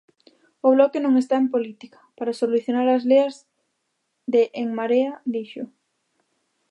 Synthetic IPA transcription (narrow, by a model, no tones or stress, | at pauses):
ʊβlɔkenõŋest̪aempolit̪ikḁpaɾasoluθjonaɾɐzleɐz | ðeʔːŋmaɾead̪iʃʊ